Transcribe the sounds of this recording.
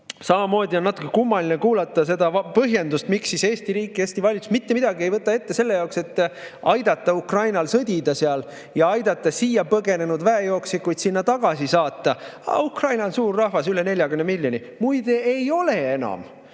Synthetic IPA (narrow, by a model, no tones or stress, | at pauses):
sɑmɑmo̞ːd̪ʲio̞nːɑt̪ːˑukˑːekumːɑlinekuːlɑt̪ːˑɑs̬e̞d̪ɑpɤɦje̞nd̪ust̪miksːise̞ːst̪iɾiːkːˑieːsʲt̪ivɑlʲit̪ːu̥smit̪ːemid̪ɑɡie̞jvɤt̪ːˑɑe̞t̪ːe̞se̞lːe̞jɑokse̞t̪ːˑɑjd̪̥ɑt̪ˑːɑukrɑjnɑlsɤd̪̥ʲid̪̥ɑseɑl | jɑɑjd̪̥ɑt̪ˑːɑsiːjɑpɤɡe̞ne̞nud̪væejo̞ːksikːˑujd̪̥sinːɑt̪ɑɡ̥ɑsisɑːt̪ˑːɑɑ̰ukrɑjnɑnsuːrːɑhvɑsylene̞ljɑɡymnmilʲjo̞ni | mujd̪̥eejo̞le̞e̞nɑ̰m